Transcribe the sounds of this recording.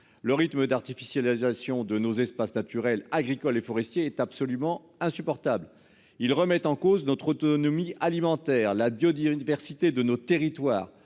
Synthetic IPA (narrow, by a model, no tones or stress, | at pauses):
ləʁit̪məd̪aʁt̪ifisjalizasjɔ̃d̪ənozɛspasnat̪yʁɛlaɡʁikɔlefɔʁɛst̪jeɛt̪apsɔlymɑ̃ | ɛ̃sypɔʁt̪abl | ilʁəmɛt̪ɑ̃koznɔt̪χɔt̪ɔnɔmiʔalimɑ̃t̪ɛʁlabjɔd̪ivɛʁsit̪ed̪ənot̪eʁit̪waːʁ